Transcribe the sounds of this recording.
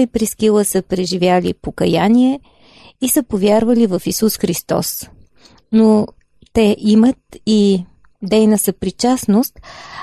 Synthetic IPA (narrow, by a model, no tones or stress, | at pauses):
ipɾiskilˠəsəpɾɛʒivʲjalḭpokɐjaniɛ | isəpovʲjaɾvəlivəfisusxɾist̪ɔ̰s | no | t̪ɛʔimət̪̚i | d̪ɛjnəsəpɾit͡ʃasnost̪